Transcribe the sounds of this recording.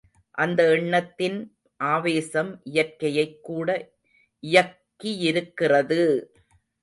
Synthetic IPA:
ʔɐnd̪ɐɪɳːɐt̪ːɪn | ʔaːʋeːsɐmʔɪjɐrkɐjɐɪkːuːɽɐ | ʔɪjɐkːiɪɾɯkːɪrɐðɯ

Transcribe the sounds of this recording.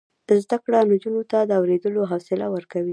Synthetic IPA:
d̪̥əzd̪akɽand͡ʒunot̪ad̪əawɾed̪əloɦasɪlawəɾkawi

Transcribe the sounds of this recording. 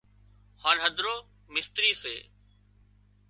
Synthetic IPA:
haːnɦəd̪ʱɾoː | mɪst̪ɾiːsḛː

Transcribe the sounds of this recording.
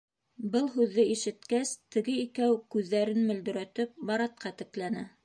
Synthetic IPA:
bɤlˠɦʉðːɘiʃɘ̆t̪kæst̪ɘ̆ɡɘikæwkʉðːæɾɘnmɵ̆ld̪ɵ̆ɾæt̪ɘp̚bɑɾɑt̪̚qɑt̪ɘ̆klænæ

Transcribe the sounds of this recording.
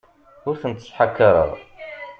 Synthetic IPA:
hʊɾθənt̪ːə̥sħakːɑɾˤə̰ðˤ

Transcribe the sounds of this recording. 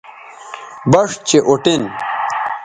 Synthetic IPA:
bɐʂt͡ɕeʔoʈin

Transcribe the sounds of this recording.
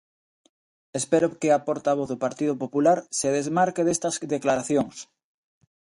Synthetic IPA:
espeɾokeapoɾt̪aβ̞oθðopaɾt̪iðopopulaɾseð̞ezmaɾkeðest̪azðeklaɾaθjoŋs

